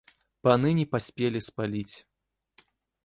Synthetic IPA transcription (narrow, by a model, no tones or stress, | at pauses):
panɨnʲipasʲpʲelʲispalʲit͡sʲ